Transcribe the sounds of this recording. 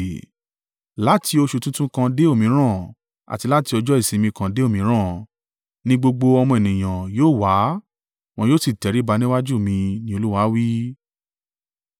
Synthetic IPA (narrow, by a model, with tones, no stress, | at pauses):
la˦ti˧o˧ʃu˧tũ˦tũ˦kã˧de˦o˦˨mĩ˨˦ɾ̃ã˦˨ | a̰˨ti˧la˦ti˧ɔ˧d͡ʒɔ˦i˦˨sĩ˨˧˦mĩ˧kã˧de˦o˦˨mĩ˨˧˦ɾ̃ã˦˨ | nĩ˦ɡ͡bo˧ɡ͡bo˧ɔ˧mɔ̃˧e˨nĩ˨j̃ã˨joː˦˨wa˨˦ | w̃ɔ̃˧joː˦˨si˦˨tɛ˨˦ɾi˨˦ba˨˧˦nĩ˦wa˦d͡ʒu˦˨mĩ˧nĩ˦o˧lu˦wa˨˦wi˦